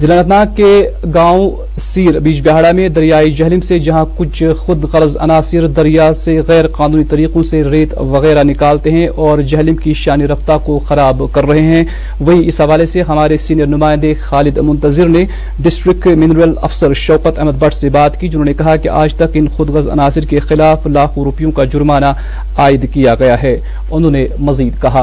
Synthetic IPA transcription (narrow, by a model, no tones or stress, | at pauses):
zɪlaːnət̪naːe | ɡaːõ | siːɾbiːt͡ʃbɛɦaːɽamẽd̪ɐɾijaːid͡ʒɐɦlɪmsed͡ʒɐɦãkʊt͡ʃʰxʊd̪ɣɐɾzɐ̰naːsɪɾd̪ɐɾijaseɣɛːɾqaːnũːnit̪ɐɾiːqõseɾeːt̪ʋɐɣɛːɾanɪkaːlt̪eɦɛ̃ʔɔːɾd͡ʒɐɦlɪmkiʃaːniɾɐft̪akoxɐɾaːbkɐɾːɐɦeɦɛ̃ | ʋɐɦiɪsɦɐʋaːleseɦɐmaːɾesiːnijəɾnʊmaːɪ̃nd̪exaːlɪd̪mʊ̃nt̪ɐzɪɾne | ɖɪsʈɾɪkʈmɪnɾijəlɐ̰fsəɾʃɐːqət̪ɛɦməd̪bɐʈʰsebaːt̪kid͡ʒʊnɦõːnekɐɦakeʔaːd͡ʒt̪ɐkɪnxʊd̪ɣɐzɐ̰naːsɪɾkexɪlaːflaːkʰõɾʊpijõkad͡ʒʊɾmaːna | aːɪd̪kijaɡɐjaɦɛː | ʊnɦõːnemɐziːd̪kɐɦaː